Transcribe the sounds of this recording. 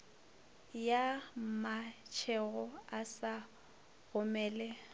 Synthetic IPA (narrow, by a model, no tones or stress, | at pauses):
jamat͡ʃʰɛɣɔasa | ɣʊmɛːlɛ